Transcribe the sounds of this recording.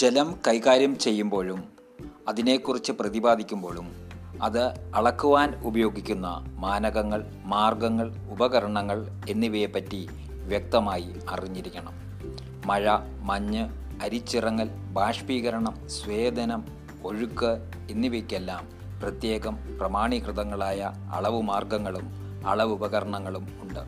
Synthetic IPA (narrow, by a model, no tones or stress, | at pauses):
d͡ʑe̞lɐmkɐjkaːɾjɐmt͡ɕe̞jːumbo̞ːɻum | ɐðine̞ːkːurit͡ɕːɨprɐðibaːd̪ikʲːumbo̞ːɭumɐðɨɐɭɐkːuʋaːnubɐjo̞ːɡikʲːunːɐ̰maːnɐɣɐŋːɐɭ | maːrɡɐŋːɐɭubɐɣɐɾɐɳɐŋːɐɭ | e̞nːiʋepːɐtːi | ʋjɐk̚t̪ɐmaːji | ɐriɲːiɾikʲːɐɳɐmː | ɐɻɐ | mɐɲːɨ | ɐɾit͡ɕːirɐŋːɐl | bʱaːʂpiːɣɐɾɐɳɐmsʋeːd̪ʱɐnɐm | o̞ɻukːɨ | e̞nːiʋekʲːelːaːm | prɐt̪je̞ːɣɐmprɐmaːɳikrɨt̪ɐŋːɐɭaːjɐ | ɐ̰ɭɐʋɨmaːrɡɐŋːɐɭum | ɐ̰ɭɐʋubɐɣɐɾɐɳɐŋːɐɭumuɳɖɨ